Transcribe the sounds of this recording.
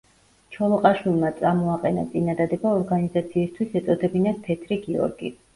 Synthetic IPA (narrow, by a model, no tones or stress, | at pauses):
t͡ʃʰɔlˠɔqʼaʃwilˠmat̪sʼamɔaqʼɛna̰t̪sʼinad̪ad̪ɛbaɔɾɡanizat̪sʰiːst̪ʰwisɛt̪sʼɔd̪ɛbinad̪̚pʰɛt̪ʰɾiɡiɔ̰ɾɡḭ